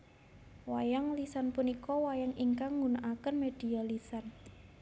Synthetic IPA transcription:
wajaŋlisanpunikɔwajaŋiŋkaŋːunaʔakənmed̥i̤alisan

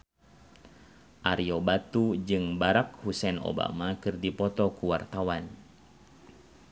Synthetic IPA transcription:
ʔaɾiobat̪ud͡ʒɨŋbaɾak̚husɛno̰ba̰makɨrdipɔt̪ɔkuwart̪awan

